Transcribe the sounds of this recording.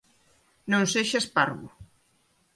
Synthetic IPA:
nõnseʃaspaɾɣu

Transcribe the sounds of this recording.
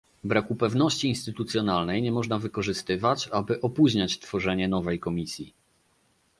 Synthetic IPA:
bɾakupɛvnɔɕt͡ɕiːnst̪ɘt̪ut̪sʲjɔn̪alnɛjɲɛmɔʐnavɘkɔʐɘst̪ɘvat͡ɕabɘʔɔpuʑɲat͡ɕt̪fɔʐɛɲɛn̪ɔvɛjkɔmʲisʲji

